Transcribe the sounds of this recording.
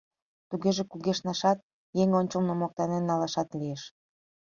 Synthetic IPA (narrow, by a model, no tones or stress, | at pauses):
t̪uɣeʒekuɣeʃnɑʃɑt̪̚ | jeŋonʲt͡ɕə̆lnomok̚t̪ɑnenːɑlɑʃɑt̪lieʃ